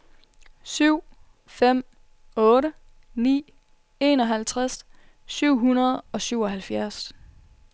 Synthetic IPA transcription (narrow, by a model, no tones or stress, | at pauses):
syʊ̰ | fem̰ | ɔ̽ːɾə | nḭː | e̝ːnɒ̽ɦælt͡sʰʁas | syʊ̰ɦunɐð̞̩ˠɒ̽syʊɒ̽ɦælfjæɐs